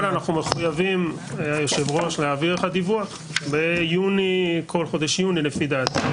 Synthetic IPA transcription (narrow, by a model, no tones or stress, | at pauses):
lanaχnume̞χujavim | joʃevʁo̞ʃlehaːviʁeχad̪ivuaχ | bejunikʰo̞lχo̞d̪eʃjuninefid̪at̪